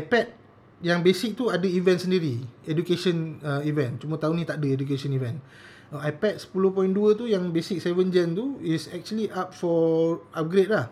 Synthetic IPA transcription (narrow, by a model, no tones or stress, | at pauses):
ajpɛt̚ | jaŋbesik̚t̪uadəivɛ̃nsəndiɾiedukeʃə̃nəivɛ̃nt͡ʃumə̃t̪aunĩt̪aʔadəeduk̬eʃɔnivɛ̃n | əajpɛt̚sə̥pulohpɔjĩnduət̪̬ujãŋbesik̚sɛvənd͡ʒɛnt̪uisɛk̚t͡ʃuəliʔap̚fɔʔap̚ɡɾet̚lah